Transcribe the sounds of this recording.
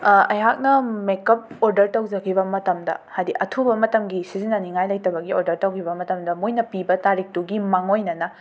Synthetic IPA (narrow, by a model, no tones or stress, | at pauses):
ɐjɦak̚nɐmekɐp̚oɾdɐɾtɐwd͡ʒɐkʰibɐmɐtɐmdɐ̰hadiʔɐtʰubɐmɐtɐmɡisizinːɐniŋajlɐjtɐbɐɡioɾdɐɾtɐwkʰibɐmɐtɐmdɐmojnɐpibɐtaɾik̚tuɡimaŋojnɐnɐ